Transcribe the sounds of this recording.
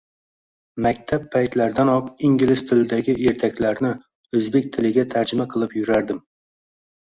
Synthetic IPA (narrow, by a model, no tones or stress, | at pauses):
mækʲt̪ʰɛpʰːæjt̪læɾd̪ænɒqiŋɡʲilɪst̪ʰɪld̪ɛɡʲiʔeɾt̪ʰɛkʲlæɾnɪ | øzbek̚ʲt̪ʰɪlɪɡʲɛt̪ʰæɾd͡ʒɪmɛqʰəlˠɨpjuɾæɾd̪ɪm